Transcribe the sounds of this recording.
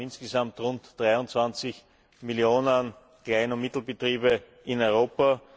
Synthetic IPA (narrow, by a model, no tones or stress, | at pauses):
ɪnsɡ̥əsamtʁʊ̃ntd̥ʁaɪʊnt͡sv̥ant͡sɪç | mɪljoːnən | klaɪnʊnmɪtl̩bətʁiːbə | ʔɪnɔʏʁoːpɐ